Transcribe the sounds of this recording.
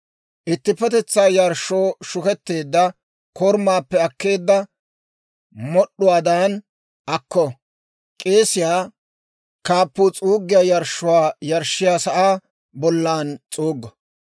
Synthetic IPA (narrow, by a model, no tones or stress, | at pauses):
ʔɪt̪ːɪpːɛt̪ɛt͡sːaːjɐɾʃːoːʃʊkɛt̪ːe̞ːd̪ːɐ | kɔɾmaːpːɛɐkːe̞ːd̪ːɐ | mɔɗːʊwaːd̪aːn | ʔɐkːɔ | kʼeːsɪjaː | kaːpːʊt͡sʼuːɡːɪjaːjɐɾʃːʊwaːjɐɾʃːɪjaːsɐʔaː | bɔlːaːnt͡sʼuːɡːɐ